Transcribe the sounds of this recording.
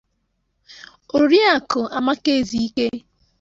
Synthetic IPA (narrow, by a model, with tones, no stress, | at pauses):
o˨ɾi˦a˨kʊ˨a˨ma˦ke˦˨zi˨i˦ke˦